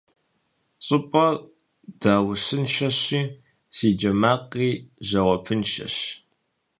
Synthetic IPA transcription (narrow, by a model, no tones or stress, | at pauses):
ɕʼɨpʼɐ | d̥aːwʊɕɨnʃɐɕiː | siːd͡ʒɐmaːqʼiːʑɐwʷɔpʰɨnʃɐ̰ɕ